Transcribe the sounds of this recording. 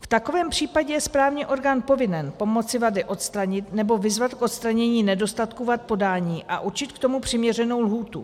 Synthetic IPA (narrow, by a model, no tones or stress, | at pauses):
ft̪ako̞vɛːmpr̝̥iːpaɟɛjɛspɾaːvɲiːʔo̞ɾɡaːnpo̞vɪnɛnpo̞mo̞tt͡sɪvadɪʔo̞t̪st̪ɾaɲɪt̪nɛbo̞vɪzvat̪kʔot̪st̪ɾaɲɛɲiːnɛdo̞st̪at̪kuvat̪̚po̞daːɲiːʔa̰ʔut͡ʃɪt̪kt̪o̞mupr̝̥ɪmɲɛrɛno̞wlɦuːt̪ṵ